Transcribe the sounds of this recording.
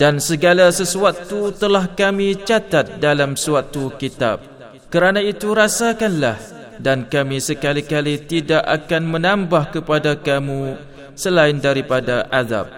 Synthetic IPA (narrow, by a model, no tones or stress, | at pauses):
dansəɡalasəsuat̪ːut̪əlahkamĩt͡ʃat̪at̪̚dalamsuat̪ːukit̪a̰p̚ | kəɾanãit̪uɾasakanlah | dankamĩsəkalikalit̪idaʔa̰kanmə̃nãmbahkəpadakamũ | səlaɪndaɾipadaʔad̪a̰p̚